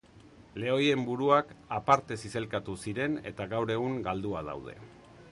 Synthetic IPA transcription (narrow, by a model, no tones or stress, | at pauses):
le̞o̞je̞mbuɾuakapaɾt̪e̞sise̞lkat̪usiɾe̞ne̞̰t̪aɣawɾe̞ɣ̞uŋɡald̪uað̞a̰wð̞e̞̰